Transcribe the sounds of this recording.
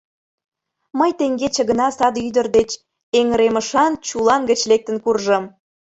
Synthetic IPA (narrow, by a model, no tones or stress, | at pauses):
məjt̪eŋɡet͡ɕə̆ɣə̆nɑsɑd̪yd̪ərd̪et͡ɕ | eŋəɾeməʃɑnt͡ɕulɑnɡət͡ɕlek̚t̪ə̆nkurʒə̆m